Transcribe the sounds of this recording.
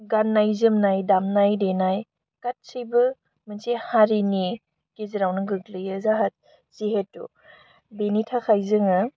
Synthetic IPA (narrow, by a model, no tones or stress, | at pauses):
ɡanːajzɯmnajdamnajdenaj | kat̚sɯjbɯ | mɯnsehaɾini | keziɾawnɯɡɯɡlɯjɯzaɦat̚ | z̥iɦetːṵ | benitʰakʰajzɯŋɯ